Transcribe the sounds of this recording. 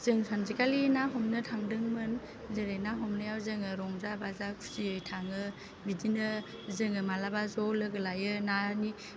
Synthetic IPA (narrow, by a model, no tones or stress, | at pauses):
z̥ɯŋsʰanzikalinaɦɔmnɯtʰaŋdɯŋmɯn | zeɾejnaɦɔmnɯjawzɯŋɯɾɔŋzabazakʰu̥siɯjtʰaŋɯ | bidinɯ | zɯŋɯmalabazɔlɯɡɯlajɯnani